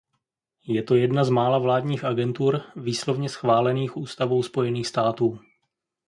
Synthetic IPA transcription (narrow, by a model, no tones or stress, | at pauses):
jɛt̪o̞jɛdnazmaːlavlaːdɲiːxʔaɡɛnt̪uɾviːslo̞vɲɛsxvaːlɛniːxʔuːst̪avowspo̞jɛniːxst̪aːt̪uː